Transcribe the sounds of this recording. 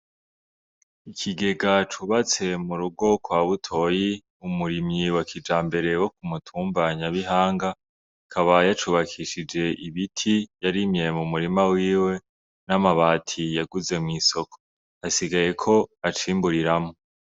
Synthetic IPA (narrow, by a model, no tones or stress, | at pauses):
ikʰiɡe̞ɡat͡ʃuβat͡se̞muɾuɡo̞kwaːβutʰo̞ːji | umuɾimɲiwakʰid͡ʒaːmbe̞ɾe̞wo̞k̚umutʰuːmbaɲaβiɦaːŋɡa | kʰaβajat͡ʃuβakʰiʃid͡ʒe̞ʔiβitʰijaɾimɲe̞mumuɾimawiːwe̞ | namaβaːtʰijaɡuze̞mŋiːso̞kʰo̥ | asiɡaje̞kʰo̞at͡ʃiːmbuɾiɾamo